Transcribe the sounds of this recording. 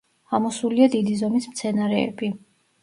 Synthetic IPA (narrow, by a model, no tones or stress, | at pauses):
amɔsuliad̪id̪izɔmismt̪sʰɛnaɾɛɛ̰bi